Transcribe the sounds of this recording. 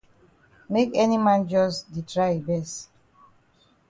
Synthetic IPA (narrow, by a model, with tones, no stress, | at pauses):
me˦kɛ˦ni˦mã˦nd͡ʒɔ˦sdi˨tɹae˨bɛ˨st